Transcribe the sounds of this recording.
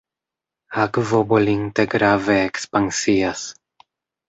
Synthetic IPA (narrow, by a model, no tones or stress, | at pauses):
akvoboliŋt̪eɡɾaveːkspaŋsias